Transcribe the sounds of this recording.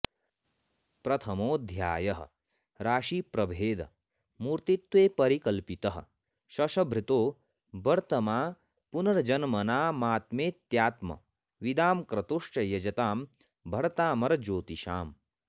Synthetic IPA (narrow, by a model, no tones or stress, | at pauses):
pɾɐt̪ʰɐmoːd̪ʱjaːjɐɦɐ̰̆ | ɾaːʃiːpɾɐbʱeːd̪ɐ̰ | muɾt̪it̪ʋeːpɐɾikɐlpit̪ɐɦɐ̰̆ | ʃɐʃɐbʱɾit̪oː | bɐɾt̪ɐmaː | punɐɾɐd͡ʒɐnmɐnaːmaːt̪meːt̪jaːt̪mɐ̰ | ʋid̪aːmkɾɐt̪uʂʈɐjɐd͡ʒɐt̪aːm | bʱɐɽɐt̪aːmɐɾd͡ʒoːt̪iʃa̰ːm